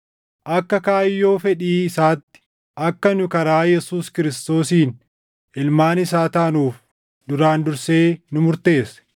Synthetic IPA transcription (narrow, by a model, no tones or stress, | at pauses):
ʔɐkːɐkaːjːo̞ːfɛᶑiːɪsaːt̪ːɪ̥ | ʔɐkːɐnʊkɐɾaːjɛsuːskɪɾɪst̪o̞ːsiːn | ʔɪlmaːnɪs̬aːt̪ɐːnuːf | d̪ʊɾaːnd̪ʊɾse̞ːnʊmʊɾt̪e̞ːsɛ̥